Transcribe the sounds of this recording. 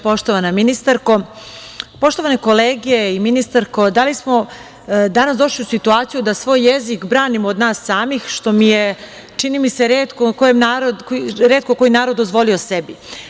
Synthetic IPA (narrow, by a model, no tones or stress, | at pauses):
po̞ʃt̪oʋanaminist̪aɾko̞ | po̞ʃt̪o̞ʋaneko̞leːɡeiminist̪aɾko̞d̪alismo̞ | d̪anasd̪o̞ʃliusit̪uaːt̪sijud̪asʋo̞ːjːezikbɾaːnimood̪naːsːaːmixʃt̪o̞mije | t͡ʃinimiseɾeːt̪kokojemnaːɾod̪kɾeːt̪̚koko̞jinaːɾo̞d̪ːozʋo̞liosebi